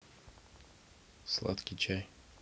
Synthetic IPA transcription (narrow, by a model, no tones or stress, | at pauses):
slˠa̰t̪kʲɪt͡ɕaj